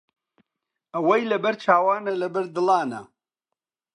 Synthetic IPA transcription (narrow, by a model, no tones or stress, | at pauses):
ɐwɐjlɐbɐɾt͡ʃʰaːwaːnɐlɐbɐɾd̪ɨlɑːnɐ̰